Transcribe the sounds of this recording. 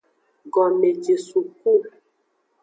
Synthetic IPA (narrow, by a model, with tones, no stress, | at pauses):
ɡɔ˨me˨d͡ʒe˨su˨ku˦˨